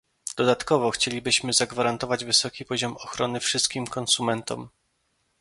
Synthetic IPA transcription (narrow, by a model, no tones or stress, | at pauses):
d̪̥ɔd̪at̪kɔvɔxt͡ɕelʲibɘɕmɘzaɡvaɾant̪ɔvad͡ʑvɘsɔkʲipɔʑɔmɔxɾɔnɘfʂɘst̪kʲimkʰɔnsumɛnt̪ɔ̰m